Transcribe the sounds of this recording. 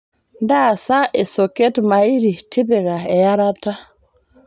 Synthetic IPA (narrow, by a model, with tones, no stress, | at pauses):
nda˦˨sa˦ʔe˨so˨ke˦tma˨i˦ɾi˨ti˦be˨ɡa˨e˨ja˦ɾa˦ta˦